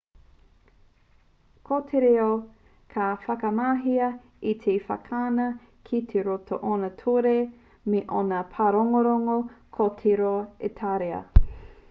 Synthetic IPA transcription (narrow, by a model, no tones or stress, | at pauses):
kʰotʰeɾeo | kʰafɐkɐmaːɦiɐ | it̪ʰefɐ̰kʰaːnɐ | kʰitʰeɾotʰo̰ʔonɐtʰoɾe | meʔonɐpʰaɾoŋoɾoŋokʰotʰiɾoetʰaɾeɐ̰